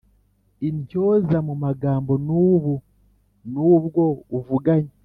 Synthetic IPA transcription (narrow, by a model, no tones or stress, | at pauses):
iɲcoːzamumaɡaːmbonuːβu | nuːβɡouvuɡaɲi